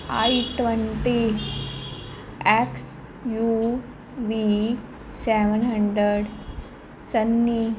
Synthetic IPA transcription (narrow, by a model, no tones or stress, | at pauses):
aiʈʋəɳʈi | eks | ju | ʋi | seʋənɦəɳɖɾəɽ | sənːi